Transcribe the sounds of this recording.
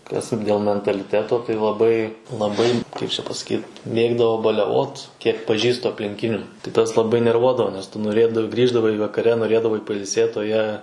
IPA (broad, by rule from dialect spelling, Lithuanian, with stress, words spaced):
kɐs dʲeːlˠ mʲɛntɐlʲɪˈtʲæːtoː tɐɪ lˠɐˈbɐɪ lˠɐˈbɐɪ ˈkɐɪp t͡ʃʲɛ pɐsɐˈkʲiːt ˈmʲeːɡdɐʋoː bɐlʲɛˈʋoːt ˈkʲiɛk pɐˈʒʲiːstʊ ɐpʲlʲɪŋʲˈkʲɪnʲuː tɐɪ ˈtɐs lˠɐˈbɐɪ nʲɛrˈʋuɔdɐʋoː nʲɛs ˈtʊ noːˈrʲeːdɐw ˈɡrʲiːʒdɐʋɐɪ ʋɐkɐˈrʲɛ noːˈrʲeːdɐʋɐɪ pɐɪlʲˈsʲeːt oː ˈjiɛ